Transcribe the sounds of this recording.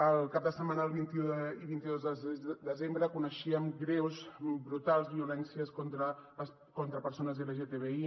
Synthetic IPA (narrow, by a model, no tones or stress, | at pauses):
əlˠkap̚d̪əsəmanəlˠβint̪iuiβint̪iðozðəd̪əzembɾəkunəʃiəmɡɾewzbɾut̪alˠzβiulɛnsiəskont̪ɾə | kont̪ɾəpəɾsonəzileʒet̪eβei